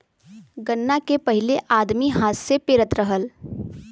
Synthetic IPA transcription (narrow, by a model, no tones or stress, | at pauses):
ɡənːakepɐɦɪleʔaːd̪miɦaːt̪sepeːɾət̪ɾəɦəl